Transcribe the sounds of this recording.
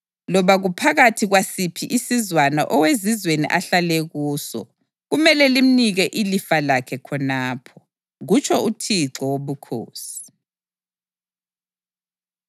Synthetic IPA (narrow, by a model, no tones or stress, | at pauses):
lɔβaɣupʰaɣatʰiɣwasipʰiʔisizwana̰ʔɔwezizwenḭʔaɬaleɣuːsɔ̰ | ɣumɛlɛlim̩niɣɛʔilifalakʰɛkʰɔnaːpʰɔ | ɣut͡ʃʰɔutʰiǁɔwoβukʰo̰ːsi̥